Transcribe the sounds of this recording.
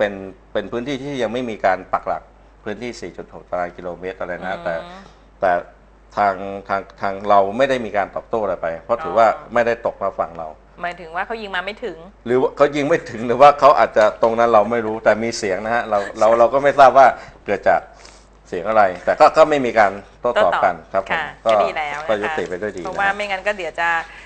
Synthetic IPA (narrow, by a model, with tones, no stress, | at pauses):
pe˧npe˧npʰɯː˦˥nt̪iː˥˩t̪ʰiː˥˩ja˧ŋma˥˩jmiː˧kaː˧npa˨˩k̚la̰˨˩k̚ | pʰɯː˦˥nt̪ʰiː˥˩siː˨˩t͡ɕu˨˩t̪̚ho˨˩k̚t͡ɕa˧ɾaː˧jkiː˧loː˧meː˦˥t̪̚ʔa˧ɾa˧jna˦˥t̪ɛː˨˩ | t̪ɛː˨˩ | t̪ʰaː˧ŋt̪ʰaː˧ŋt̪ʰaː˧ŋɾa˧wma˥˩jda˥˩jmiː˧kaː˧nt̪ɔː˨˩p̚t̪oː˥˩ʔɾa˧jpa˧jpʰɾɔ˦˥t̪ʰɯː˩˦waː˥˩ma˥˩jda˥˩jt̪o˨˩k̚maː˧fa˧˩ŋɾa̰˧w | maː˨˦jt̪ʰɯ˩˦ŋwaː˥˩kʰa˦˥wji˧ŋmaː˧ma˥˩jt̪ʰɯ˨˩˦ŋɾɯː˩˦wa˥˩kʰa˦˥wji˧ŋma˥˩jt̪ʰɯ˩˦ŋdɯː˩˦waː˥˩kʰa˦˥wʔaː˨˩t̪̚t͡ɕa˨˩t̪o˧ŋna˦˥nɾa˧wma˥˩jɾuː˦˥t̪ɛː˨˩miː˧si˨˩˦əŋna˦˥ha˦˥ɾa˧wɾa˧wɾa˧wkɔː˥˩ma˥˩jsaː˥˩p̚waː˥˩kɯ˨˩ət̪̚t͡ɕaː˨˩k̚ | si˨˩˦əŋʔa˧ɾa˧jt̪ɛː˨˩kɔː˥˩kɔː˥˩ma˥˩jmiː˧kaː˧nt̪o˥˩t̪ɔː˨˩˨ka˧nkʰa˦˥pʰːo˩˧˩mkɔː˧˥˩kɔː˥˩ju˦˥t̪ːi˨˩pa˧jdu˥˩jdiː˧na˦aː˦˥˩ma˥˩ŋa˧nkɔː˥˩d̪i˨˦wt͡ɕa˨˩